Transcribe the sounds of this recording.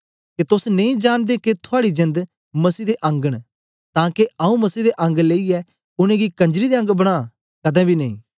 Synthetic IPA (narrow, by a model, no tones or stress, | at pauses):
ket̪ʊsnẽĩd͡ʒaːñd̪eket̪ʰʊaːɽid͡ʒɐ̃nd̪ | mɐsiːd̪eʔɐ̃ŋɡəɽ̃ | t̪ãːkeʔɐũmɐsiːd̪eʔɐ̃ŋɡleːiɛ | ʊñẽɡikɐ̃ɲd͡ʒɾid̪eɐ̃ŋɡbɐɽ̃aː | kɐd̪ɛ̃ːbʱinɐḭ̃ː